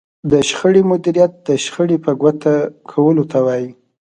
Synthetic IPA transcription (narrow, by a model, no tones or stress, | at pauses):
d̪əʃxəɽimʊd̪iɾijat̪̚d̪əʃxəɽipəɡwat̪ʰakʰawəlot̪awɑji